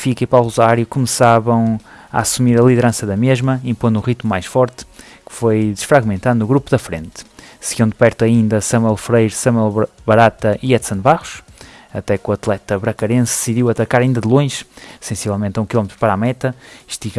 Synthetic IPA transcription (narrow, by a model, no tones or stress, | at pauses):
fikɐipawlˠuzaɾjukumɨsaβɐ̃w̃aasumiɾɐlˠiðɨɾɐ̃sɐðɐmeʒmɐĩmpõnd̪ũʁit̪mumajʃfɔɾt̪ | kɨ̥fojd̪ɨʃfɾaɣmẽnt̪aðunuɣɾupuðɐfɾḛ̃nt̪sɨɣiɐ̃w̃d̪ɨpɛɾt̪uɐĩnd̪ɐsɐmwɛlˠfɾejɾsɐmwɛlˠβɐɾat̪ɐʔiɛt̪sɐ̃nβaʁuʃɐt̪ɛkuɐt̪lˠɛt̪ɐβɾɐkɐɾẽsd̪ɨsiðiwɐt̪ɐkaɾɐĩnd̪ɐðɨlˠõj̃ʒsẽsivɛlˠmẽnt̪ũkilˠɔmt̪ɾu̥pɐɾamɛt̪ɐʃt̪iɣ